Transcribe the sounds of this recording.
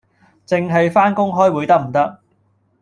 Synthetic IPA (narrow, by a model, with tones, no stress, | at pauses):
t͡sɪ˨ŋɦɐ˨jfaː˥nkʊ˥ŋɦɔː˥jwu˨˥jt̪ɐ˥k̚m̩˨˩t̪ɐ˥k̚